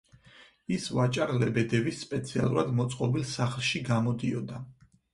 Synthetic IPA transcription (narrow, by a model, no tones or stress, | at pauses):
isvat͡ʃʼaɾlɛbɛd̪ɛvisːpʼɛt̪sʰia̰lˠṵɾad̪mɔt̪sʼqʼɔbilˠsaχlˠʃiɡamɔd̪iɔd̪a